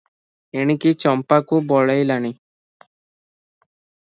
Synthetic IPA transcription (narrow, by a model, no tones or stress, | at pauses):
eɽ̃ikit͡ʃɔmpakubɔɭajlaɽ̃i